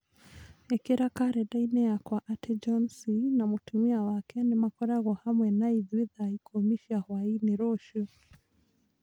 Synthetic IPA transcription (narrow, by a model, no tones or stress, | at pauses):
ɛkiɾakaɾɛɗainɛakwaʔatʰɛd͡ʒɔnsinamutumiawakɛnimakɔɾaɣɔhamwɛnaiðwiðaikɔmiʃiahwainiɾɔʃu